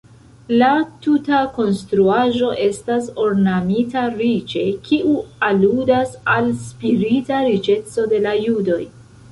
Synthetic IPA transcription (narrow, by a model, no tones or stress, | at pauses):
latutako̞nstɾuaʒo̞ʔe̞staso̞ɾnamitaɾit͡ʃe̞kʰiʔualudasalspiɾitaɾit͡ʃe̞t͡so̞de̞lajudo̞j